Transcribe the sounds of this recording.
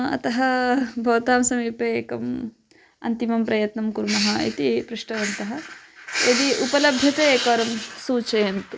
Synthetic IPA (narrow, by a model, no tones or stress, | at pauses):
ɐ̰t̪ɐɦɐbʱɐʋɐt̪aːmsɐmiːpɐkɐm | ɐ̰nt̪imɐmpɾɐjɐt̪nɐmkuɾmɐɦɐḭt̪ipɾuʂʈɐʋɐnt̪ɐɦɐed̪iʔupɐlɐbʱjɐt̪eːkɐːɾɐmsuːt͡ʃɐjɐnt̪u